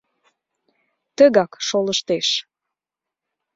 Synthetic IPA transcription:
t̪əɣɑkʃoləʃt̪eʃ

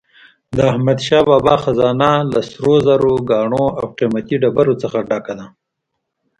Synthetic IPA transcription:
d̪əahmad̪ʃɑːbɑːbɑxazɑːnalasɾozaɾoɡɑɳoawqimat̪iɖabaɾot͡səxaɖɑkad̪a

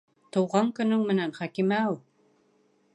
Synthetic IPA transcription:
t̪ŏwʁɑŋkɵ̆nɵŋmɘ̆nænχækimæu

